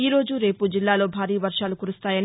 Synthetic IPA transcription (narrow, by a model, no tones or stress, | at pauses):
iːɾo̞ːd͡ʒuɾe̞ːpud͡ʒilːaːlo̞ːbʱaːɾiːʋɐɾʂaːlukuɾust̪aːjɐn